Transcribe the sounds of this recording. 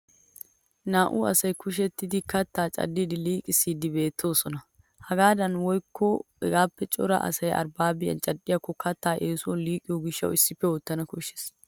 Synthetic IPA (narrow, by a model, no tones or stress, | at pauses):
naːʔuːɐsɐjkʊʃ̬ɛt̪ːɪd̪ɪkɐt̪ːaːt͡ʃʼɐ̰d̪ːid̪ɪliːkʼɪsid̪ɪbe̞ːt̪ʰːoːsɔnɐ | hɐɡaːd̪ɐnwɔjkʰːɔ | ɛɡaːpːɛt͡ʃʼɔɾɐ̰ʔɐ̰sɐjʔɐ̰ɾbaːbɪjɐ̰nt͡ʃʼɐd̪ɪjɐkɔkːɐt̪ːaːʔeːsuliːkʼɪjɔɡɪʃːɐ̰wɪsːɪfɛwɔt̪ːɐnɐkʊʃɛ̥s